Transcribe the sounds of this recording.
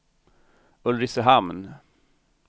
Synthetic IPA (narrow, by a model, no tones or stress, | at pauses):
ɵlɾɪsəɦamn